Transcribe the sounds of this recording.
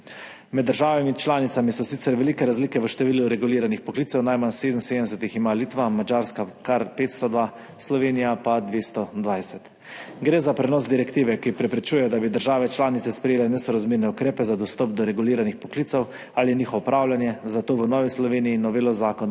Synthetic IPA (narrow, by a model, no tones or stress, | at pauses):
mɛd̪ːəɾʒaːʋamit͡ʃlaːnit̪samisɔsit̪ɛɾʋɛlikɛɾazlikɛʋəʃt̪ɛʋiːluɾɛɡuliːɾanixpɔkliːt̪sɛwnajmansed̪n̩sed̪əms̬ɛt̪iximaliːt̪ʋamad͡ʒaɾskakaɾpeːt̪st̪ɔd̪ʋa | slɔʋeːnijapad̪ʋeːst̪ɔd̪ʋajsɛt̪ | ɡɾeːzapɾɛnɔːzd̪iɾɛkt̪iːʋɛkipɾɛpɾɛt͡ʃujɛjɔd̪abid̪əɾʒaːʋɛt͡ʃlaːnit̪sɛspɾɛjeːlɛnɛsɔɾazmiːɾnɛukɾeːpɛzad̪ɔst̪ɔp̚d̪ɔɾɛɡuliːɾanixpɔkliːt̪sɔw | aliniːxɔʋɔpɾaːwljanjɛzat̪oːʋənɔːʋislɔʋeːnijinɔʋeːlɔzaːkɔn